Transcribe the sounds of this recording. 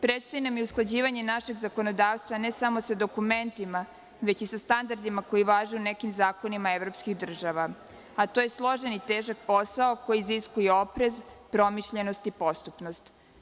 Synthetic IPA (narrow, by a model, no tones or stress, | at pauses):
pɾet̪st̪oinamjeusklˠad͡ʑiːʋaɲe̞naʃe̞ɡzako̞nod̪aːʋst̪ʋanesamo̞sad̪o̞kume̞nt̪ima | ʋe̞t͡ɕisast̪and̪aɾd̪imako̞jiʋaːʒuunekimzaːko̞nimaevɾo̞pskixd̪r̩ʒaʋa | at̪oje̞slˠo̞ʒenit̪eːʒak̚po̞saoko̞jiziskujeo̞pɾe̞zpɾo̞miʃʎe̞no̞st̪ipo̞st̪upno̞st̪